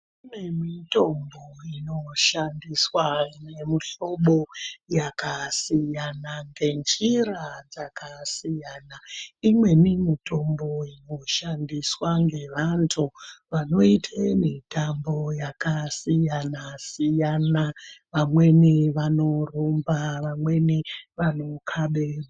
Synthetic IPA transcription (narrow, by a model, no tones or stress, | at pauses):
unemito̞mboino̞ʃandiswaine̞miɬo̞ɓo̞jakasijanaŋɡe̞nd͡ʒirad͡zakʰasijanaimwe̞mimito̞mbo̞ino̞ʃandiswaŋɡe̞ʋantʰuʋano̞itʰemitʰambo̞jakasijanasijanaʋamwe̞niʋano̞rumbaʋamwe̞niʋano̞kʰaɓera